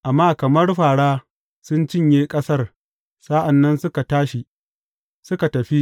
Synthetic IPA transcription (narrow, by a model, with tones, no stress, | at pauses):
ʔa˨mːaː˦kɐ˨mɐ˦rɸaː˨ɽaː˦ | sʊ˦nt͡ʃɪ˦ɲjeː˦kʼɐ˦sɐ˦r | sa˦ʔa˨nːɐ˦nsʊ˦ka˨taː˦ʃi˨ | sʊ˦ka˨tɐ˨ɸi˦